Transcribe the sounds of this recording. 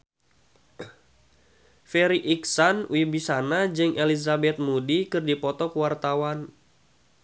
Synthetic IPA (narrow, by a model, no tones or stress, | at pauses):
fɛɾiʔiksanwibisanad͡ʒɨŋʔɛlizabɛt̪̚mudikɨrdipɔt̪ɔkuwart̪awan